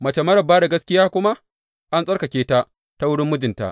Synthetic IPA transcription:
mɐ˨t͡ʃe˨mɐ˦ɾɐ˨bːaː˦da˨ɡɐ˦skʲɪ˦jaː˦kʷʊ˦ma˦ʔ | ʔa˦nsʼɐ˦rkɐ˨kʲeː˦ta˦ | ta˦wʊ˦ɽɪ˦mːʊ˦d͡ʒɪ˨nta̰˦ʔ

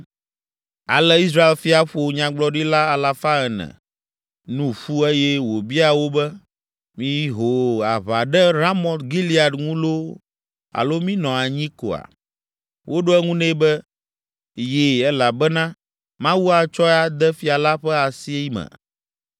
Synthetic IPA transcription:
a̰˨lɛ˦i˦s̬ɾa˦e˦lfi˦a˨ɸo˨ɲã˨ɡ͡blɔ˦ɖi˦la˦a˨la˨fa˦ɛ˨nɛ̰̃˨ | nũ˦ɸu˦e˦jɛ˦wo˨bi˦a˨wo˦bɛ˦ | mĩ˦ɦo˨a˨βa˨ɖɛ˦ɾa˦mɔ̃˨t̪ɡi˦li˨a˨dŋũ˦lo˦ | a̰˨lo˦mĩ˦nɔ̃˨a˨ɲĩ˦ko̰˨a̰˨ | wʔo˦ɖo˦ɛ˦ŋũ˦nɛ̃˦bɛ˦ | je˦˨ɛ˦la˨bɛ˦nã˦ | mã˦wu˦a˨t͡ʃɔ˦a˦d̪ɛ˦fi˨a˨la˦ɸɛ˦a˨si˦e˦i˦mɛ̰̃˨

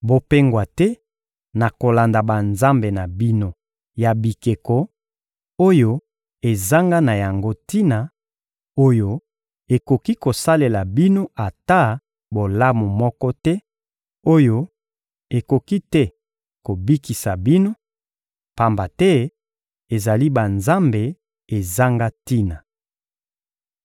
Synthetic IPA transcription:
bo˨pe˦ŋɡwa˨tɛ˦ | na˨ko˨la˨nda˨ba˨nza˦mbe˨na˨bi˦no˦ | ja˨bi˨ke˨kɔ˨ | o˦jo˦ | e˨za˦ŋɡa˦na˨ja˨ŋɡo˦ti˦na˨ | o˦jo˨ | e˨ko˨ki˦ko˨sa˦le˨la˨bi˦no˦ʔa˨ta˦ | bo˨la˦mo˨mɔ˦kɔ˦tɛ˦ | o˦jo˦ | e˨ko˨ki˦tɛ˦ | ko˨bi˦ki˨sa˨bi˦no˦ | pa˨mba˨tɛ˦ | e˨za˨li˦ba˨nza˦mbe˨ | e˨za˦ŋɡa˦ti˦na˨

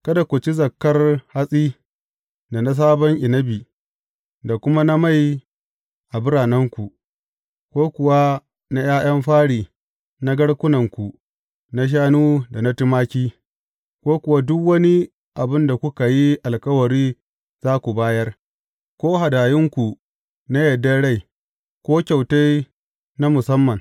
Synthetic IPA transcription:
kɐ˦da˨kʷu˨t͡ʃi˦zɐ˨kːɐ˦rha˦sʼiː˦ | da˨na˦s̬aː˦bɐ˦ŋʔɪ˨nɐ˦biː˨ | da˨kʷʊ˦ma˦na˦ma˦˨j | ʔa˨bɪ˦ɽaː˨nɐ˦ŋkʷu˨ʔ | kʷoː˦kʷʊ˨wa˦ | na˦j̰aː˦j̰ɐ˦mɸaː˦ɽiː˨ | na˦ɡɐ˦ɽkʷʊ˦nɐ˨ŋkʷu˨ | na˦ʃ̬aː˦nuː˦da˨na˦tɪ˦maː˦kʲiː˦ | kʷoː˦kʷʊ˨wa˦dʊ˦kwɐ˦ni˦ | ʔa˨bɪ˦nda˨kʷu˦ka˨ji˦ʔa˨lkɐ˦wɐ˨ɾiː˦ | z̥aː˦kʷu˨baː˦jɐ˦r | kʷoː˦ɦa˨daː˨jɪ˦ŋkʷu˨ | na˦jɐ˨dːɐ˦ɽa˦˨j | kʷoː˦kʲa˨wta˦j | na˦mʊ˨sɐ˦mːɐ˨ŋ

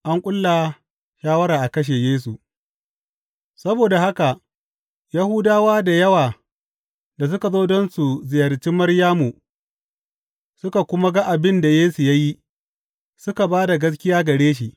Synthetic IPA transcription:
ʔa˦ŋkʷʼʊ˦lːa˨ | ʃaː˦wɐ˦ɾaː˨ʔa˨kɐ˦ʃ̬eː˨jeː˦s̬u˨ | sɐ˦boː˨da˨ha˦ka˨ʔ | jɐ˦hʊ˦daː˦waː˦da˨jɐ˦waː˨ | da˨s̬ʊ˦ka˨zoː˦dɔ˦nsu˨zɪ˨jɐ˨rt͡ʃi˦mːɐ˦ɽjaː˦mu˨ | sʊ˦ka˨kʷʊ˦ma˦ɡa˦ʔa˨bɪ˦nda˨jeː˦su˨ja˦ji˦ | sʊ˦ka˨baː˦da˨ɡɐ˦s̬kʲɪ˦jaː˦ɡɐ˨ɽeː˦ʃ̬i˨ʔ

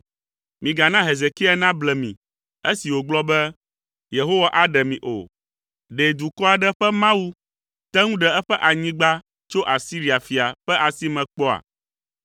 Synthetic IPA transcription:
mĩ˨ɡa˨nã˦ɦe˨ze˨ki˦ɛ˦nã˦blɛ˨mḭ̃˨ | e˦si˨wo˨ɡ͡blɔ˦bɛ˦ | je˨ɦo˦wa˨ʔa˦ɖɛ˨mĩ˨ʔo̰˨ | ɖe˨d̪u˨kɔ˦a˨ɖɛ˦ɸɛ˦mã˦wu˦ | t̪ɛ˦ŋũ˦ɖɛ˨ɛ˦ɸɛ˦ʔa˨ɲĩ˦ɡ͡ba˦ | t͡ʃo˦ʔa˨si˦ɾi˦a˨fi˨a˨ɸɛ˦ʔa˨si˦mɛ̃˨k͡pɔ˦a̰˨

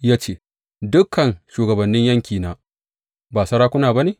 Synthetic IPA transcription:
jaː˦t͡ʃeː˦ | dʊ˦kːɐ˨nʃuː˨ɡɐ˨bɐ˨nːɪ˦ɲjɐ˦ŋkʲiː˨naː˦ | baː˨sɐ˦ɽaː˦kʷʊ˦naː˨ba˦neː˨

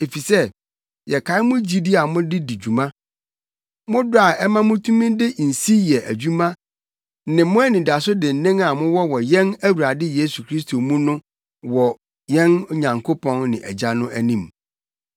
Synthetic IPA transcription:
e˨fi˨sɛ˦ | jɛ˨kʰa˨˦ɪ˦mʊ̃˦d͡ʑi˦di˦a˨mʊ̃˦dɪ˦di˨d͡ʑu˨mã˦ | mʊ̃˦dʊ˦a˨ʔɛ˦mã˦mʊ̃˦tʰũ˦mɪ̃˦dɪ˦n̩˨si˦jɛ˨ʔæ˨d͡ʑᶣu˦mã˦ | nɪ̃˨mʊ̃˦æ˦nɪ̃˨da˨s̬ʊ˦dɪ̃˨n̩˨˦nɪ̃˦ŋa˨mʊ̃˦wɔ˦wɔ˨jɛ̃˦næ˦wu˨ɾa˨dɪ˦je˦su˨kʰɾi˦stʰo˨mũ˦nʊ̃˦ | wɔ˨ | jɛ̃˦n˦ɲã˨ŋkʰo˦pʰɔ̃˦nnɪ̰̃˨ʔɛ˨d͡ʑa˦nʊ̃˦ʔæ˦nĩ˦˨m

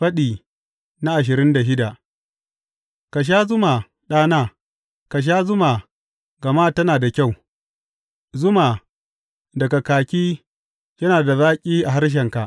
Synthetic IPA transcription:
ɸɐ˦ɗiː˨ | na˦ʔa˨ʃ̬ɪ˨ɾɪ˦nda˨ʃɪ˦da˨ | ka˨ʃ̬aː˦zʊ˦ma˨ | ɗaː˦naː˦ | ka˨ʃ̬aː˦zʊ˦ma˨ | ɡɐ˨ma˦tɐ˦naː˨da˨kʲa˦˨w | zʊ˦ma˨ | dɐ˨ɡa˨kaː˨kʲiː˦ | jɐ˦naː˨da˨zaː˦kʲʼiː˦ʔa˨ɦa˦ɾʃ̬ɛ˨ŋka˨ʔ

